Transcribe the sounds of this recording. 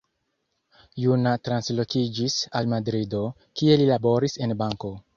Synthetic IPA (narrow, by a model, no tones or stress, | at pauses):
junatɾanslo̞kid͡ʒisalmadɾido̞ | kie̞lilabo̞ɾise̞nbaŋko̞